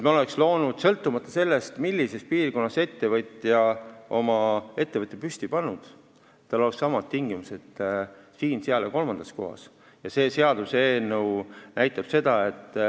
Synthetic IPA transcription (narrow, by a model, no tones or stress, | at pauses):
et̪mo̞le̞kslo̞ːnud̪̥sɤlt̪ːˑumɑt̪ːˑɑse̞lːe̞st̪milʲːise̞s̚piːrko̞nːɑse̞t̪ːe̞vɤt̪ʲːˑjɑʔo̞mɑe̞t̪ːe̞vɤt̪ːˑepyst̪ipɑnːud̪̥ | t̪ːɑlo̞leksɑmɑt̪̚t̪iŋɡ̥imuse̞t̪ːsiːnseɑleko̞lmɑnd̪̥ɑsko̞̰ɦɑ̰s | jɑse̞ːse̞ɑd̪̥use̞ːnəwnʔæjt̪ːˑɑb̥se̞d̪̥ɑe̞t̪ːˑ